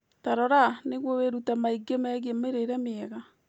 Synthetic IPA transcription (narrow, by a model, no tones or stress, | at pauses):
taɾɔɾaneɣwɔweɾutamaiɡemɛɣemeɾeɾɛmeɛɣa